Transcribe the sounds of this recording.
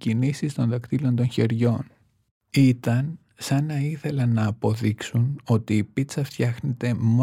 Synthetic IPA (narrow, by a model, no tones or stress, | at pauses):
cinisist̪o̞nðɐkt̪ilo̞nd̪o̞nçe̞ɾʝo̞n | it̪ɐn | sɐnɐiθe̞lɐnɐːpo̞ðiksuno̞t̪iːpit͡sɐft̪çɐxne̞t̪e̞m